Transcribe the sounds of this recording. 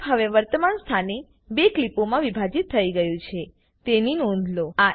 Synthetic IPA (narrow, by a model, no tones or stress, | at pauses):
ɦəʋeʋəɾt̪əmanst̪ʰane | beklipomãʋibʱad͡ʒit̪ʰːəiɡəjũt͡ʃʰe | t̪eninɔ̃nd̪ʱloa